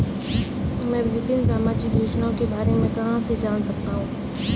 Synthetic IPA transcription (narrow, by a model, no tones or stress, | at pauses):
mɛ̃ːʋɪpɪnsaːmaːt͡ʃijeːd͡ʒnaõkebaːɾemẽkɐɦãsed͡ʒaːnsɐk̚t̪aɦũː